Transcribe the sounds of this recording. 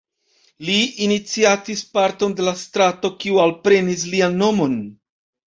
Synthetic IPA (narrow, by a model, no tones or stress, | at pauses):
liːnit͡siatispaɾto̞nde̞lastɾato̞kiualpɾe̞nis̬lianːo̞mo̞n